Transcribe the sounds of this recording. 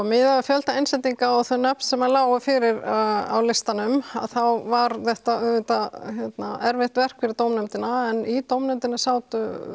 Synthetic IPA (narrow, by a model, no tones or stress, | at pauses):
mɪːðaʏfjœlt̪aejnsɛt̪iŋkaɔθœnːɛpn̥sɛmalaːwɣʏfɪɾɪɾa̰wlɪst̪anʏma̰ðθawvaɾθɛht̪aʏvɪt̪açjɛt̪naɛɾvɪht̪vɛr̥kfɪɾɪɾt̪owmnɛmt̪ɪnaɛnit̪owmnɛmt̪ɪnɪsaːwt̪ʏ